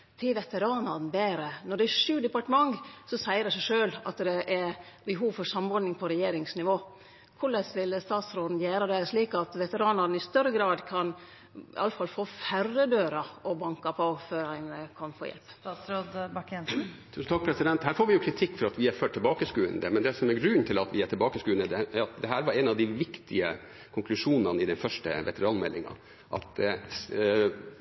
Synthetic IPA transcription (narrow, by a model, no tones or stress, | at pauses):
t̪ʰɪʋɛt̪əɾɑːnɑnbeːɾənɔɖɛæʂʉːd̪ɛpɑʈəmɑŋsɔsæɪəɾæsæɪʂøːlɑt̪d̪ɛʔɛbɛɦuːʋfɔɾsɑmɔɾɖ̪nɪŋpʰɔɾɛjeːɾɪŋsnɪʋoː | kʰʊɭəsʋɪlst̪ɑːt̪sɾoːd̪n̩jæːɾəd̪ɛʂɭiːkɑt̪ʋɛt̪əɾɑːnɑɾn̩ɪst̪œɾəɡɾɑːd̪kʰɑn | ɪ̰ʔɑ̰ləfɑlfoːfærːəd̪øːɾɑɔbɑŋkɑpʰɔføːɾɾɪnəkʰɑnfo̰ːjɛ̰lpɾod̪b | tʰʉːsn̩t̪ɑk̚pʰɾɛsɪd̪ɛnt̪hæːɾfoːɾʋɪjʊkʰɾɪt̪ʰɪkːfɔɾɑt̪ʋɪæɾføːʈʰːɪlbɑːkəskʉːə̰nd̪əmɛnd̪ɛsɔmæɾɡɾʉnt̪ʰɪlɑt̪ʋɪæʈʰɪlbɑːkəskʉːənəd̪ɛæɑt̪̚d̪ɛɦæːɾʋɑɾɛnɑʋd̪ɪʋɪkt̪ʰɪə̰ | kʰʊŋkʰlʉʂuːnɑnɪd̪ɛnfœʂʈə̰ʋɛ̰t̪əɾɑːnmɛ̰lːɪ̰ŋɑ̰ | ʔɑ̰t̪